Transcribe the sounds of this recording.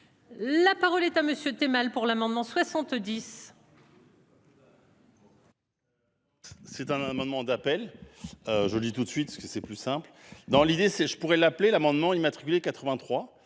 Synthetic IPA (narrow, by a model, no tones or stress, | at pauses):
lapaʁɔlɛt̪aməsjøt̪emalpuʁlamɑ̃d̪mɑ̃swasɑ̃t̪d̪is | sɛt̪ɛ̃namɑ̃d̪mɑ̃d̪apɛløʒələd̪it̪ut̪sɥit̪̚pskəsɛplysɛ̃pld̪ɑ̃lid̪esɛʒəpuʁɛlaplelamɑ̃d̪mɑ̃imat̪χi̥kʲylekat̪χəvɛ̃t̪χwa